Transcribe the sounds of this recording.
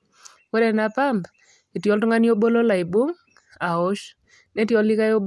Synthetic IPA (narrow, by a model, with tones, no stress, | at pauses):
wɛ˦dɛ˨na˨pa˦mb | e˨tjɔ˦ltʊ˦ŋa˦njo˦bo˦lo˦la˨i˨bo˦ŋ | a˨ʊ˦ʃ | ne˦tjɔ˦li˦ka˦jo˦b